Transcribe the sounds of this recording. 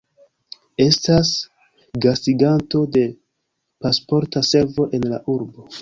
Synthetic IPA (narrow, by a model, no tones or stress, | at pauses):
e̞stas | ɡastiɡanto̞de̞ | paspo̞ɾtase̞ɾvo̞ʔe̞nla̰ʔuɾbo̞